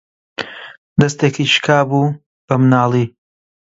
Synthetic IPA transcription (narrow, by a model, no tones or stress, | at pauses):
d̪ɐst̪eːkʰiʃkʰaːbuː | b̥ɐmnaːlˠi